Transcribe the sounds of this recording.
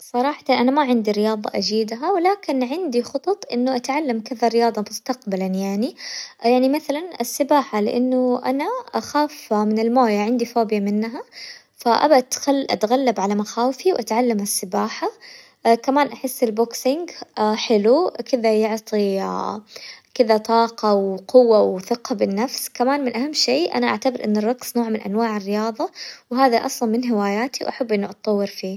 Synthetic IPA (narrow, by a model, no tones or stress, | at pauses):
sˤɑɾˤɑːħɑ̥t̪ɑnʔanamaʕɪnd̪iɾɪjɑːðˤɑ̰ʔad͡ʒiːd̪ɦawɪlaːkɪnʕɪnd̪ixʊt̪ˤɑt̪ˤʔɪ̰nːʊʔat̪ʕalːamkɪðaɾɪjɑːðˤɑmʊst̪aqbalanjaʕnijaʕnimaθalanɪsːɪbaːħalɪʔanːʊʔa̰naʔaxaːfmɪnɪlmoːjaʕɪnd̪ifoːbjamɪnːɦa | faʔa̰bt̪xalʔa̰t̪ɣalːabʕalamaxaːwfiwʔat̪ʕalːamɪsːɪbaːħa | kamaːnʔaħɪsːɪlbʊksɪŋɡħɪlukɪðajʊʕt̪ˤi | kɪðat̪ˤɑːqɑwqʊwːawθɪqɑbɪnːafskamaːnmɪnʔahamːʃeːʔa̰naʔa̰ʕt̪abɪɾʔɪ̰nːɪrˤːɑɡsnoːʕmɪnʔa̰nwaːʕɪrːɪjɑːðˤɑwɦaːðaʔɑ̰sˤlɑnmɪnɦɪwaːjaːt̪iwʔaħabːʔɪnːuʔɑt̪ˤːɑwːɪɾfiː